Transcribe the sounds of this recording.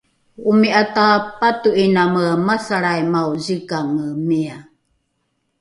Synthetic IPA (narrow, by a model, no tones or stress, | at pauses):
umiʔatapatuʔinaməmasaɾajmauzikaŋəmia